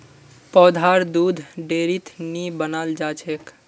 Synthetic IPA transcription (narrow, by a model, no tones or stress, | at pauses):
pɔːd̪ʱaɾd̪ud̪ʱɖeɾit̪nibənald͡ʒat͡ʃʰek